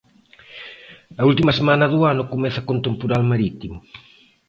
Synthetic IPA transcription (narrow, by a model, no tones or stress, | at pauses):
ɐult̪imasemanɐðuanʊkomɛθɐkont̪empuɾalmaɾit̪imʊ